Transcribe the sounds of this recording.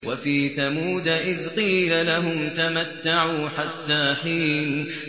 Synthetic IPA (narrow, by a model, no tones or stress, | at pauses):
wafiːθamuːd̪aʔɪðqiːlalaɦʊmt̪amat̪ːaʕuːħat̪ːaːħiːn